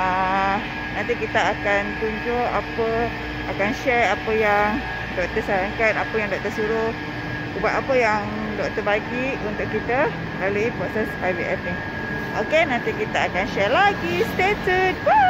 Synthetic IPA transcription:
a | nãnt̪ikit̪aakant̪uɲd͡ʒoʔapə | akanʃɛɹapəjaŋ | dɔʔt̪əsaɾaŋkanapəjaŋdɔʔ̚t̪əsuɾo | ubaʔapəjaŋ | dɔʔ̚t̪əbaɡiʔunt̪ʊʔkːit̪ə | laluipɾosɛsfajviʔɛfni | o̰kenant̪ikit̪aakanʃɛrlaɡist̪et̪əd̚bə

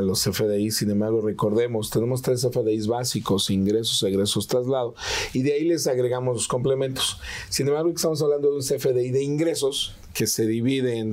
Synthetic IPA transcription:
losefeðeisːinẽmbaɾɣwore̞ko̞ɾðe̞mo̞st̪e̞ne̞mo̞s̬t̪ɾes̬efeðeizβasikosiŋɡɾe̞s̬osaɣɾe̞so̞st̪ɾazlaðoiðeaile̞saɣɾe̞ɣamozlosko̞mple̞mẽnt̪o̥ssinembaɾɣwokest̪amos̬aβland̪o̞ðeunsefeðeiðe̞iŋɡɾe̞so̞s | ke̞se̞ðiβiðen

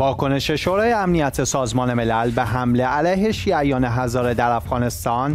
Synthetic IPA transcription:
vɒːkʰo̞ne̞ʃe̞ʃoːɾɒːjeæmnijæt̪ʰesɒːzmɒːne̞me̞lælbeɦæmle̞ʔælæjɦe̞ʃiːæjɒːneɦæzɒːɾe̞d̪æɾæfɣɒːne̞st̪ɒːn

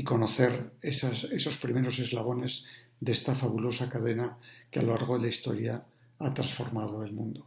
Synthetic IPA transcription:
iko̞no̞θe̞ɾesaeso̞spɾime̞ɾo̞se̞zlaβ̞o̞ne̞zðeest̪afaβulo̞sakaðe̞nakea̰lolaɾɣ̞o̞ðelaist̪o̞̰ɾja | at̪ɾa̰nsfo̞̰ɾmað̞o̞e̞lmũnd̪o

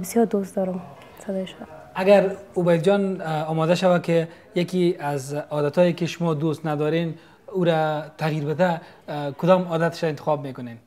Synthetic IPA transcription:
bɪsjɔɾd̪ost̪d̪ɔɾʊm | sad̪ɔjʃʊda | aɡaɾʊbajld͡ʒɔnɔmɔd̪aʃawakɪ | jakiazɔd̪at̪ɔjekɪʃʊmɔd̪ost̪nad̪ɔɾen | uɾat̪aɣiɾbɪt̪a | kʊd̪ɔmɔd̪at̪ɪ̥ʃaɪnt̪ɪ̥xɔb̚mekʊnen

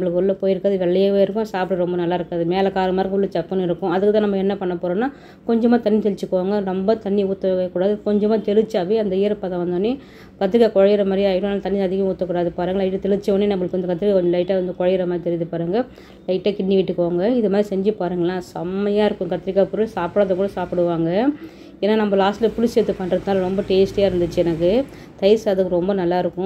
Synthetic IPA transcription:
nɐmːbɐɭɯkːɯɔɭːɐpoːjɪɾɯkːaːðɯʋɛɭːɐjaːʋeːɪɾɯkːʊ̃saːpʈɯɾɔmbɐnɐlːaːɪɾɯkːaːðɯmeːlɐkaːɾɐmaːɾkɔɭːɐt͡ʃɐkːɐnɪɾɯkːʊ̃ɐðɯkːɯt̪ãːnɐmːɐɛnːɐpɐɳːɐpːoːɾõnːaː | kɔɲd͡ʒɐmaːt̪ɐnːit̪ɛlɪt͡ʃːɯkːʋoːŋɡɐnɔmbɐt̪ɐnːiuːt̪ːɐkːuːɽaːðɯkɔɲd͡ʒɐmaːt̪ɛɾɯt͡ʃːaːʋiɐnd̪ɐɪjɐɾpɐðãʋɐnd̪ɐːnːi | kɐt̪ːɪɾɪkːaːkɔɻɐjɪɾɐmaːdɾiaːjɪʈʊ̃nːt̪ɐnːiɐðɪɣɐmuːt̪ːɐkːuːɽaːðɯpaːɾɯːŋɡɐlɐɪʈːɯt̪ɛɻɪt͡ʃːɐɐnːinɐmːɐɭɯkːɯʋɐnd̪ɐkɐt̪ːɪɾɪkaːkɔɲd͡ʒɔ̃lɐɪʈːʋɐnd̪ɯkɔɻɐjɪɾɐmaːd̪ɾit̪ɛɾɪʋðɯpaːɾɯːŋɡɐ | lɐɪʈːaːkɪɳːɪkɪʈːɯkːɯʋaːŋɡɐɪðɯmaːd̪ɾisɛɲd͡ʒɯpaːɾɯːŋɡɐɭlːãːsɐmɐjaːɪɾɯkːʊ̃kɐt̪ːɪɾɪkːaːpʊɾɯlsaːpɽaːðɐkːɽɐsaːpɪɽɯʋaːŋɡɐ | eːnːaːnɐmːbɐlaːsʈɪlɐpʊɾɪset̪ːɯpːɐɳɾɐðɯnaːlɐɾɔmbɐʈeːsʈjaːɪɾɯnd̪ɯt͡ʃːɯɛnɐkːɯ | t̪ɐɪsɐðɯkːɯɾɔmbɐnɐlːaːɪɾɯkːʊ̃

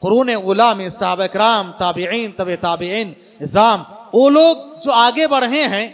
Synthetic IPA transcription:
qʊɾuːneuːlamẽsɐɦaːbaɪkɪɾaːmt̪aːbɪʕiːnt̪ɐbet̪aːbɪʕiːn | ɪzaːmʋoːloːɡ̚d͡ʒoːaːɡebɐɽ̤ɦẽɦɛ̃ː

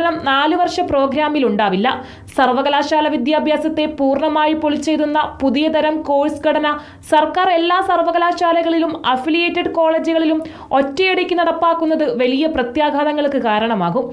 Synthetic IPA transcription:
ɐnɐmnaːluʋɐrʂɐpro̞ːɡɾaːmiluɳɖaːʋilːɐ̰ | sɐrʋɐɣɐlaːʂaːlɐʋid̪jaːbʱjaːsɐt̪ːe̞puːrɳɐmaːjipoɭit͡ɕːe̞jt̪unːɐpuðijɐd̪ɐɾɐmko̞ːɻsɨɡʱɐɽɐnɐ | sɐrkaːre̞lːaːsɐrʋɐɣɐlaːʂaːlɐɣɐɭilumɐfilijeːtːɐɖko̞ːɭeːd͡ʑuɣɐɭilum | o̞tːɐjeɽikʲːunɐɽɐpːaːkːun̪ːɐðɨʋɐlijɐprɐt̪jaːɡʱaːðɐŋːɐɭkːɨkaːɾɐɳɐmaːɣum

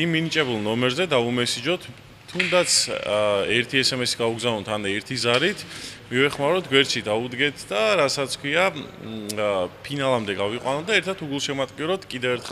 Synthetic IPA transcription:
imːinit͡ʃʼɛbulˠnɔmɛɾzɛd̪aumɛsid͡ʒɔt̪ʰː | und̪at̪sʰɛɾt̪ʰiɛsɛmɛsi̥ɡauɡzavnɔt̪ʰanɛɾt̪ʰizaɾit̪ʰmivɛχmaɾɔt̪ʰɡwɛɾt͡ʃʰid̪aud̪ɡɛt̪ʰd̪aɾasat̪sʰkʰwia | pʰinalˠamd̪ɛɡaviqʼwanɔd̪aɛɾt̪ʰat̪ʰuɡulˠʃɛmat̪ʼkʼiɾɔt̪ʰkʼid̪ɛvɛɾt̪χ

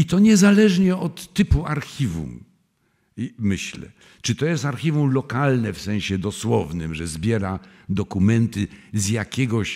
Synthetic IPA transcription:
it̪ɔɲɛzalɛʐɲɛɔt̪ːɘpuaɾxʲivṵm | imɘɕlɛ̰ | t͡ʂɨt̪ɔjɛst̪aɾxʲivumlɔkalnɛfsɛ̃w̃ɕɛd̪ɔswɔvnɘmʐɛzbʲjɛɾad̪ɔkumɛnt̪ɘzjakʲɛɡɔɕ

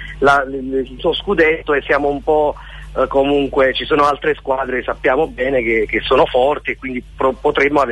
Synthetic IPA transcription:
lalsɔskud̪et̪ːoesːjaːmoumpɔ | komuŋkwet͡ʃisoːnoalt̪ɾeskwaːd̪ɾesapːjaːmobɛːnekek̟esːoːnofɔrt̪iekwind̪ipopot̪ɾemːoave

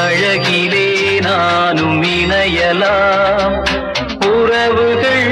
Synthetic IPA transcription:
ɐɻɐɡilenaːnuminɐjɐlaː | puːɾɐʋɯkɐɭ

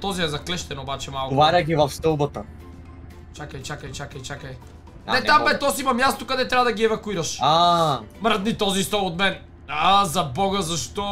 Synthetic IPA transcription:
t̪ɔziɛzɐklɛʃt̪ɛnobat͡ʃɛmalˠkvaɾʲɐɡʲivɐfst̪ɤlˠbɐt̪ɐ | t͡ʃakɐjt͡ʃakɐjt͡ʃakɐjt͡ʃakɐj | nɛt̪ambɛt̪ɔsimɐmjast̪okɐd̪ɛt̪ɾʲabɐd̪ɐɡiɛvɐkuiɾɐʃamɾəd̪nit̪ɔzist̪ɔod̪mɛn | azɐbɔɡɐzɐʃt̪ɔ

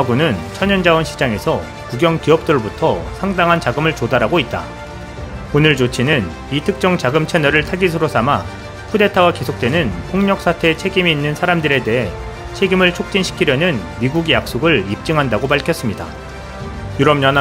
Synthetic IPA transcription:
aɡunɯnt͡ɕʰʌɲʌnd͡ʑawʌnɕʰi̥d͡ʑaŋe̞sʰʌ | kuɡjʌŋkiʌp̚t͈ɯɾbutʰʌsʰaŋdaŋɦant͡ɕaɡɯmɯɭt͡ɕodaɾɦaɡoit̚t͈a̰ | onɯɭt͡ɕot͡ɕʰinɯn | itʰɯk̚t͡ɕ͈ʌŋt͡ɕaɡɯmt͡ɕʰe̞nʌɾɯɭtʰaɡis̬ʰɯɾosʰama | pʰude̞tʰawake̞sʰok̚t͈we̞nɯnpʰoŋɲʌk̚s͈ʰatʰe̞ːt͡ɕʰe̞ɡimiːnːɯnsʰaɾamdɯɾe̞de̞ɦe̞ | t͡ɕʰe̞ɡimɯɭt͡ɕʰok̚t͡ɕ͈inɕʰi̥kʰiɾjʌnɯnmiɡuɡijak̚s͈oɡɯɭip̚t͡ɕ͈ɯŋɦandaɡopaɭkʰjʌs͈ɯmɲida̰ | juɾʌmɲʌn

